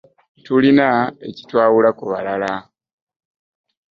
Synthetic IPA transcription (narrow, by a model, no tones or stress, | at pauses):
tulinae̞̰ci̥twaːwulakuβalala